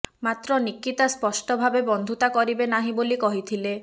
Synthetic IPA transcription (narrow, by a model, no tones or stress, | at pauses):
mat̪ɾɔnikːit̪aspɔsʈɔbʱabebɔnd̪ʱut̪akɔɾibenaɦĩbolikɔɦit̪ʰile